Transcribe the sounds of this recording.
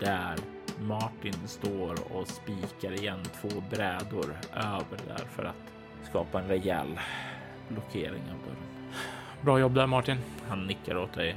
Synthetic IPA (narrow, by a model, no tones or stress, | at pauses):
d̪̥æɾ | maʈɪnst̪oːɾɔ̰spiːkaɾɪjɛnːt̪ʰv̥oːbɾɛːd̪ʊɾʔøːvəɖæ̰ɾfœ̰ɾa̰t̪ | skɑ̰ːpaɛnɾɛjɛ̰l | blʊkʰeːɾɪ̰ŋa̰bœ̰ɾ | bɾɑːjɔbːd̪æɾmaʈɪn | hanːɪkːaɾoːt̪̚d̪ɛj